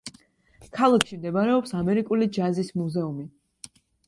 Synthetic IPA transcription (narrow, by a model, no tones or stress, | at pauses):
kʰalˠakʰʃimd̪ɛbaɾɛɔpsamɛɾikʼulid͡ʒazismuzɛumi